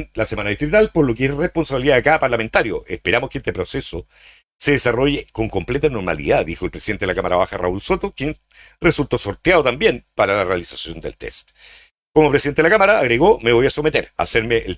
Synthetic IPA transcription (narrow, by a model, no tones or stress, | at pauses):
lasemanaðiht̪ɾit̪alpoɾlo̞keesrehpo̞nsaβiliðaːkapaɾlame̞nt̪aɾjo̰ʔespe̞ɾamoskeest̪epɾo̞se̞so | se̞ðesaro̞ʝeko̞ŋko̞mple̞t̪ano̞ɾma̰lḭðaðixoelpɾesiðent̪eelakamaɾaβaxara̰ulso̞t̪okjen | result̪oso̞ɾt̪jaðot̪ambje̞npaɾalarealisasjo̞nd̪elt̪ḛst̪ | komopɾesiðent̪eelakamaɾaːɣɾeɣomeβo̞jaso̞met̪eɾa̰seɾmeʔel